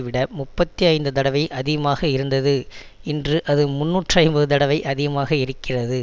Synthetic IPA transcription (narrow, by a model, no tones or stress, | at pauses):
ʋɪɽɐmʊpːɐt̪ːiɐɪnd̪ɯt̪̬ɐɽɐʋɐɪʔɐðɪɣɐmaːɣɐɪɾɯnd̪ɐðɯ | ɪndrɯʔɐðɯmʊnːuːʈraːɪnbɐðɯt̪̬ɐɽɐʋɐɪʔɐðɪɣɐmaːɣɐɪɾɯkːɪrɐðɯ